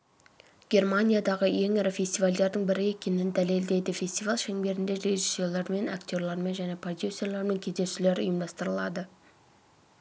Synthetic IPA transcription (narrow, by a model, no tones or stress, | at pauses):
ɡ̥ʲe̞rmanʲijad̪ɑʁəje̞ŋeɾɪfʲe̞st̪ivald̪e̞ɾd̪əɴbɪɾɪe̞kʲe̞nɪnd̪æle̞ld̪e̞jd̪ɪfʲe̞st̪ivalˠʃeŋbe̞ɾɪnd̪e̞ɾe̞ʒisːjolˠɑɾme̞nakt̪ʲo̞ɾlˠɑɾme̞nʒæne̞pʰro̞d̪jusːe̞rlˠeɾme̞ŋkʲʰeze̞ʃɪle̞ɾʊ̰jəmd̪ɑst̪əɾəlˠɑd̪ə